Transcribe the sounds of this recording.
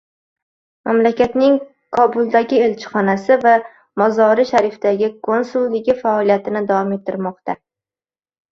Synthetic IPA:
mamlakʲat̪nɪŋ | kʰɒbʊlˠd̪aɡʲɪe̞lt͡ʃʰɪ̥χɒnasɪva | mɒzɒɾɪʃaɾɪft̪aɡʲɪkʰo̞nsʊlˠːɪɡʲɪfaɒlˠijat̪ʰɪnɪd̪avɒmet̪ʰːɪɾmɒqt̪a

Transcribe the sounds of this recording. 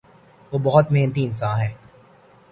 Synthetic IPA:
ʋoːbɔɦʊt̪meːnət̪̬iɪnsãːnɦɛː

